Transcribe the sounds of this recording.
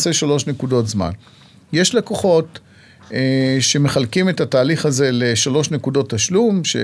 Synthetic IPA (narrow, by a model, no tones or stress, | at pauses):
seʃalo̞ʃnekudo̞tzma̰n | je̞ʃlekoχo̞t | ʃe̞me̞χalkime̞tataːliχaze̞leʃalo̞ʃne̞kudo̞tːaʃlumʃḛ